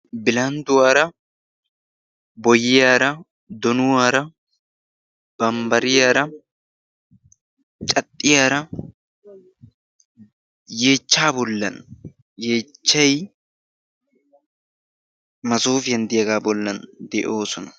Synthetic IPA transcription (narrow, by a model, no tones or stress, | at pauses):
bɪlɐnd̪ʊwaːɾɐ | bɔjɪjaːɾɐ | d̪ɔnʊwaːɾɐ | b̥ɐmbɐɾɪjaːɾɐ | t͡ʃʼɐt̪ʼːɪjaːɾɐ | je̞ːt͡ʃːaːbɔlːɐ̰n | je̞ːt͡ʃːɐj | mɐsuːfɪjɐnd̪ɪjɐɡaːbɔlːɐnd̪ɛʔo̞ːsɔnɐ